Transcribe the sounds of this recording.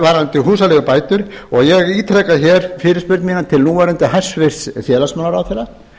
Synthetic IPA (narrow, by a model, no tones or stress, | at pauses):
vaɾnt̪ɪɦuːsalɛɣʏpaːjt̪ʏɾ̥ɔɣjɛɣiːt̪ʰɾɛkaçɛːɾ̥fɪːɾɪspʏɾt̪miːnat̪ʰɪlnuːaɾʏnt̪ahɛ̥svɪɾ̥sθjɛːlasmaːnaɾawθɛrːa